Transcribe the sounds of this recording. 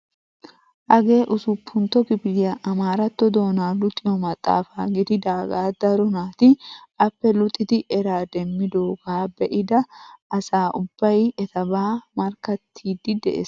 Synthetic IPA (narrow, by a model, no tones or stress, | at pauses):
ʔɐɡe̞ːʔʊsʊpʰːʊnt̪ɔkɪbɪjɐʔɐmaːɾɐt̪ːɔd̪o̞ːnaːlʊt̪ʼɪjɔmɐt̪ʼːa̰ːfaːɡɪd̪ɪd̪aːɡaːd̪ɐɾɔnaːt̪ɪɐpːɛlʊt̪ʼːɪt̪ɪʔɛɾaːd̪ɛmːɪd̪oːɡaːbɛʔɪd̪ɐʔɐsaːʔʊb̥ːɐjɛt̪ɐbaːmɐɾkɐt̪ʰːiːd̪ɪd̪ɛ̰ʔḛs